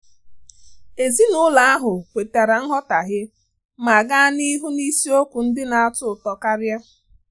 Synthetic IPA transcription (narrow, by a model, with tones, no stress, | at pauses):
e˨zi˦nʊ˦la˨˦a˦ɦʊ˨kʷe˨ta˨ɾa˨n̩˦ɦɔ˦ta˨ɦɪ˦ | ma˨ɡa˦ni˦ɦu˦ni˦si˦o˦kʷu˨n̩˦dɪ˦na˨a˦˨tʊ˦˨tɔ˨ka˦ɾja˦